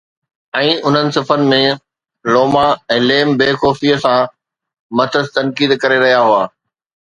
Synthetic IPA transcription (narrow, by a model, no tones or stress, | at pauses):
ɛ̃ːʔʊn̤ənɪ̆sɪfənɪ̆mẽ | loːmaɛ̃ːleːmbeːxɔːfiːəsã | mɐt̪ʰəst̪ɐnkiːd̪kɐɾeɾɐɦijaɦʊaː